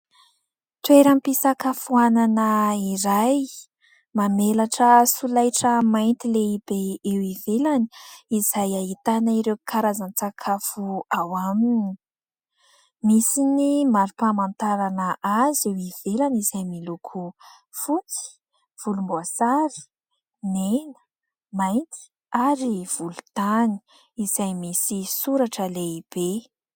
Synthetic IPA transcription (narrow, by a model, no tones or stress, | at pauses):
t̪weɾampisakafuananəiɾaj | mamelaʈ͡ʂəsulajʈ͡ʂəmajnt̪ileib̥eewivelani̥izajaɦit̪anaiɾewkʰaɾazant͡sakʰafuawamini | misinimaɾupamant̪aɾanəʔazewiv̥elanizajmilukʰu | fut͡si̥ | v̥ulumbuasaɾi̥ | nenə̥ | majnt̪i̥ | aɾiv̥ulu̥t̪ani̥ | iz̥ajmisisuɾaʈ͡ʂəleib̥e